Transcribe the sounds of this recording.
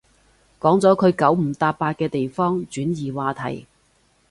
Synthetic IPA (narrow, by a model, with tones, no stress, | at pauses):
kɔː˨˥ŋt͡sɔː˨˥kʰɵ˨˧ɥkɐ˨˥wm̩˨˩t̪aː˧p̚ːaː˧t̚kɛː˧t̪e˨jfɔː˥ŋt͡ʃyː˨˥njiː˨waː˨˧t̪ʰɐ̰˨˩j